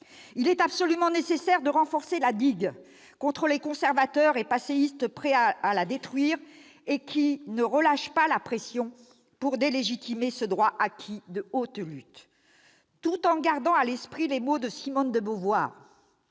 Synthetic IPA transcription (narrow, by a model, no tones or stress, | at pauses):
ilɛt̪apsɔlymɑ̃nesesɛʁd̪əʁɑ̃fɔʁselad̪iɡ | kɔ̃t̪χəlekɔ̃sɛʁvat̪œʁepaseist̪pχɛaːlad̪et̪χɥiːʁ | ekʲinəʁəlaʃpalapχesjɔ̃ | puʁd̪eleʒit̪ʰimesəd̪ʁwaʔakʲʰid̪əot̪lyt̪ː | ut̪ɑ̃ɡaʁd̪ɑ̃alɛspχilemod̪əsimɔnd̪əbovwa̰ːʁ